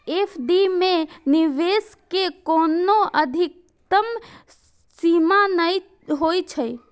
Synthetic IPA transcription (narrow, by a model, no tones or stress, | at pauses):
epʰɖimeniʋeskekonoəd̪ʱik̚ | t̪əm | simanəj | ɦojt͡ʃʰəj